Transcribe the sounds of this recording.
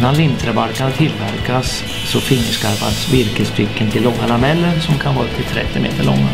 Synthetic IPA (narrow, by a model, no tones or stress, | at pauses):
nanlɪnt̪ʰɾəbaɾkanat̪ʰɪlvæɾkasː | ɔfɪŋːəʂkaɾfa̰svɪɾkəsbʰɾɪkːənt̪ʰɪlːɔŋːalamɛlːəɾsɔmkʰanvɑːɾɵp̚t̪ʰɪlt̪ʰɾɛt̪ːɪmḛːt̪əɭɔ̰ŋːa